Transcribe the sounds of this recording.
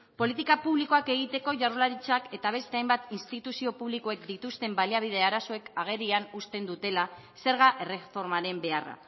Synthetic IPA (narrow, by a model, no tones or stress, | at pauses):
po̞lit̪ikapuβ̞liko̞ake̞ɣ̞it̪e̞ko̞ʝarulaɾit͡ʃake̞t̪aβ̞e̞st̪e̞ajmbat̪inst̪it̪usio̞puβliko̞e̞kd̪it̪ust̪e̞mbaliaβ̞ið̞e̞aɾaso̞e̞kaɣ̞e̞ɾianust̪e̞nd̪ut̪e̞la | se̞ɾɣaʔere̞fo̞ɾmaɾe̞mbe̞ara̰